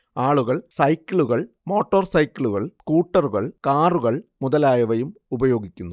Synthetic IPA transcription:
aːɭuɣɐɭsɐjkʲːiɭuɣɐɭ | mo̞ːʈːoːrsɐjkʲːiɭuɣɐɭskuːʈːɐruɣɐɭkaːruɣɐɭmuðɐlaːjɐʋɐjumubɐjo̞ːɡikʲːunːu

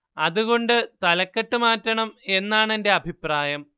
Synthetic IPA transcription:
ɐðuɣo̞ɳɖɨt̪ɐlɐkːeʈːɨmaːtːɐɳɐme̞nːaːɳe̞nde̞ɐbʱipraːjɐm

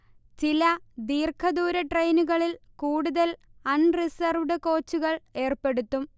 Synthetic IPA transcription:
t͡ɕilɐd̪iːrkʰɐðuːɾɐʈrejnuɣɐɭilkuːɽuðɐlɐnrisɐrʋɖɨko̞ːt͡ɕːuɣɐɭe̞ːrpe̞ɽut̪ːum

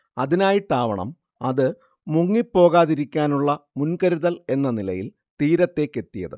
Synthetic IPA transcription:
ɐðinaːjiʈːaːʋɐ̰ɳɐ̰m | ɐ̰ðɨ | muŋːipːo̞ːɣaːðiɾikʲːaːnuɭːɐmunkɐɾuðɐle̞nːɐnilɐ̰jil | t̪iːɾɐt̪ːe̞ːkːe̞t̪ːijɐ̰ðɨ̰

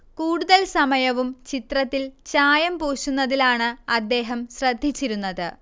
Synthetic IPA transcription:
kuːɽuðɐlsɐmɐjɐʋumt͡ɕit̪rɐt̪ːilt͡ɕaːjɐmpoːɕunːɐðilaːɳɨɐd̪ːe̞ːɦɐmɕrɐd̪ʱːit͡ɕːiɾunːɐðɨ

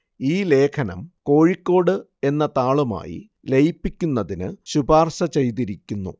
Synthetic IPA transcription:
iːle̞ːkʰɐnɐ̰mko̞ːɻikʲːo̞ːɽɨ | e̞nːɐt̪aːɭuma̰ːjḭ | lejipːikʲːunːɐðinɨ̰ɕubaːrsɐt͡ɕe̞jt̪̬iɾikʲːunːṵ

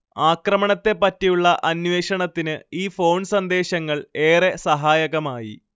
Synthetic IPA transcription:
aːkrɐmɐɳɐt̪ːe̞pːɐtːijuɭːɐʔɐnʋe̞ːɕɐɳɐt̪ːinɨiːfo̞ːɳsɐnd̪e̞ːɕɐŋːɐɭe̞ːre̞sɐɦaːjɐɣɐmaːjḭ

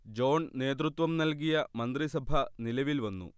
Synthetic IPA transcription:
d͡ʑo̞ːnne̞ːd̪ɾut̪ʋɐmnɐlk̬ijɐmɐnd̪ɾisɐbʱɐnilɐʋilʋɐnːṵ

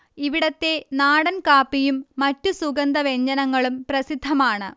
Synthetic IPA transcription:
iʋiɽɐt̪ːe̞naːɽɐnkaːpːijumːɐtːusuɡɐnd̪ɐʋe̞ɲd͡ʑɐnɐŋːɐɭumprɐsid̪ʱːɐmaːɳɨ

